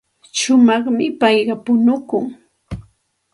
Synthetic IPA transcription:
ʃʊmɑχmɪpɑjɢɑpʊnʊkʊŋ

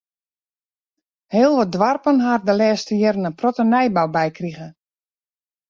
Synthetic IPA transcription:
hɪəlˠʋɔdʋarpənɦardəlɛːstəjɛrənəprotənɛjbawbɛjkriɣə

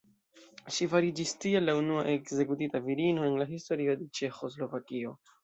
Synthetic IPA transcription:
ʃifaɾid͡ʒistialːaunua̰ʔe̞kze̞kutitaviɾino̞e̞nlaɦisto̞ɾio̞de̞t͡ʃe̞xo̞slo̞vakio̞

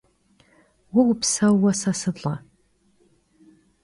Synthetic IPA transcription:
wʊwpsɐwːɐsɐsɨɮʼɐ

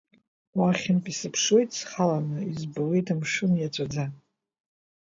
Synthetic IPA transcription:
waχʲɪnpʼisɨpʰʂwe̞jtʼsχalanɨizbawejtʰamʂɨnjat͡sʷʼad͡za

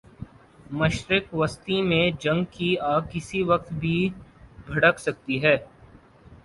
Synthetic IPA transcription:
mɐʃɾɪkʋɐst̪imẽd͡ʒɐ̃ŋɡkiaːkɪsiʋɐq̚t̪bʱibʱɐɽəksɐk̚t̪iɦɛː

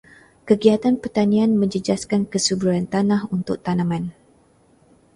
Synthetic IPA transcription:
kəɡiat̪anpərt̪anĩanmə̃ɲd͡ʒəd͡ʒaskankəsubɾuɾant̪anahunt̪ʊk̚t̪anãmãn

